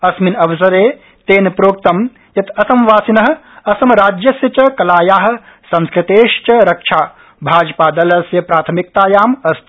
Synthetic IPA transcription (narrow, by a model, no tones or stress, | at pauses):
ɐsminɐʋɐsɐɾeː | t̪eːnpɾoːk̚t̪ɐm | jɐt̪ɐsɐmʋaːsinɐɦɐ̆ | ɐsɐmɾaːd͡ʒjɐsjɐt͡ʃɐkɐlaːjaːɦɐ̆ | sɐ̃nskɾɪt̪eːʃt͡ʃɐɾɐkʂʰaː | bʱaːd͡ʒpaːd̪ɐlɐsjɐpɾaːt̪ʰɐmik̚t̪aːjaːmɐst̪ʰ